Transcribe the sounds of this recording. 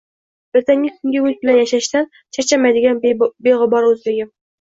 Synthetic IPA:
b̥ɪɾt̪ʰɛŋɡʲɪkʲʰyŋɡʲiybɪlɛnjɛʃɛʃt̪ɛn | t͡ʃʰɛɾt͡ʃʰɛmɛjd̪ɪɡʲɛnbeʁəbɑɾøzlɪɡʲɪm

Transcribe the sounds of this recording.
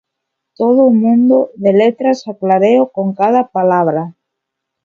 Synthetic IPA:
t̪oð̞oumũnd̪oðelet̪ɾasaklaɾeokoŋkað̞apalaβ̞ɾa

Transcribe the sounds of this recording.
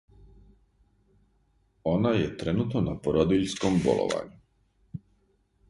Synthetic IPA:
o̞najet̪ɾenut̪nonapoɾod̪iʎskombo̰lˠo̰ʋa̰ɲu

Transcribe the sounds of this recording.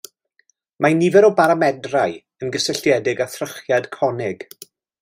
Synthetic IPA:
manivɛɾɔbaɾamɛdraɨ | ənɡəsəɬjɛdɪɡaθrəχjad̥kʰɔnɪɡ̥

